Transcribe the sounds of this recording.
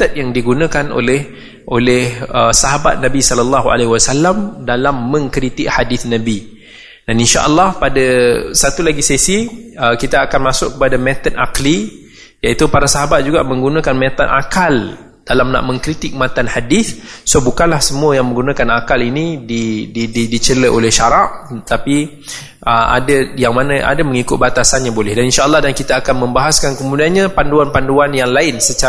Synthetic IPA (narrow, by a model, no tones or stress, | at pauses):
t̪ət̪̚jaŋdiɡunə̃kano̰lɛh | ʔolɛhəsaɦabat̪̚nãbisɔləlːaɦuʔa̰leɦiwasalamdalamːə̃ŋkɾit̪ɪʔhadiθnabi | daninʃa̰ʔəlːɑhpadasat̪ulaɡisɛsiəkit̪aːkanmasʊʔkːəpadamɛ̃t̪ət̪̚a̰qli | jait̪upaɾasaɦabat̪̚d͡ʒuɡaʔmə̃ŋɡunə̃kanmɛt̪at̪̚a̰kal | d̥alamnã̰ʔmə̃ŋkɾit̪ɪk̚mãt̪anhadiθsobukanlahsəmuəjaŋmə̃ŋɡunãkanakalinididididit͡ʃələʔolɛhʃaɾaʔt̪api | ʔəʔa̰dajaŋmanəʔa̰daməŋikʊt̪̚bat̪asanjaŋbolɛhdaninʃaʔəlːɑhdankit̪aːkanmə̃mbaɦaskankəmudianɲapanduanpanduanjaŋlaɪnsət͡ʃa